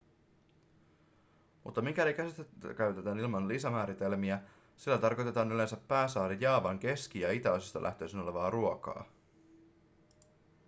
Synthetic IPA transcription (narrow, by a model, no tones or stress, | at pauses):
mṵt̪ːɑmik̟ælikæsit̪ekæɥt̪et̪ænilmɑnlisæmæːɾit̪e̞lmiæ | silːæt̪ɑrko̞jt̪e̞t̪ɑːnyle̞nsæpːæːsɑːɾijːɑːʋɑŋk̟e̞sk̟ijɑit̪æosist̪ɑlʔæ̰ht̪ø̞jsino̞le̞ʋɑːruokɑ̰ː